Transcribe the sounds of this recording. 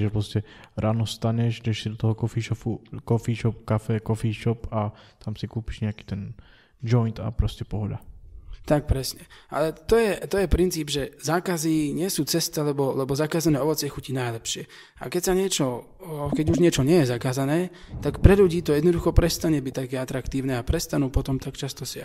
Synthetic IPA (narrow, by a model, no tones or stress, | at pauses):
ʒɛpɾɔscɛɾaːnɔst̪aɲɛʒɡd̪ɛʃsid̪ɔt̪ɔɦɔkɔfiːʃɔfukɔfiːʃɔp̚kafɛkɔfiːʃɔpat̪amsikuːpi̥ʒɲɛaki̥ːt̪ɛn | d͡ʒɔjnt̪a̰pɾɔscɛpɔɦɔd̪at̪ak̚pɾɛsɲɛʔa̰lɛt̪ɔjɛt̪ɔjɛpɾint͡siːbʒɛzaːkaziɲɪɛsuːt͡sɛst̪ilɛbɔlɛbɔzakaːzanɛːɔʋɔt͡sɪɛxucinajlɛpʃɪɛ | a̰kɛcsaɲɪɛt͡ʃɔ | kɛɟuʒɲɪɛt͡ʃɔɲɪɛjɛzakaːzanɛːt̪akpɾɛʎuɟiːt̪ɔjɛd̪nɔd̪uxɔpɾɛst̪aɲɛbic̚t̪akɛːat̪ɾakt̪iːʊnɛːapɾɛst̪anuːpɔt̪ɔmt̪akt͡ʃast̪ɔsɪa